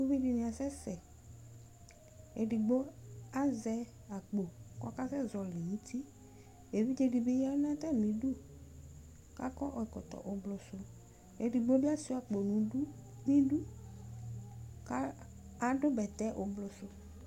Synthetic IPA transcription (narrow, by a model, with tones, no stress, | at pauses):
u˦vi˦di˨nĩ˨a˨sɛ˦sɛ˨ | e˨ɖi˨ɡ͡bo˦a˦zɛ˦ | a˨k͡po˨kɔ˦ka˦sɛ˦zɔ˨lɪ˨ɲĩ˦t̪i˦ | e˨vi˦d͡ʒe˨˦di˨be˦ja˦nã˦t̪a˦˨mĩ˨du˦ | ka̰˦kɔ˦ʔɔ˨kɔ˨t̪ɔ̰˨ʔʊ˨blʊ˨sʊ˦ | e˨di˨ɡ͡bo˦da˦si˨˦a˨k͡po˨nũ˨˦u˦nĩ˦du˦ | ka˦ | a˨ɖʊ˦bɛ˨t̪ɛ˦ʔʊ˨blʊ˨sʊ˦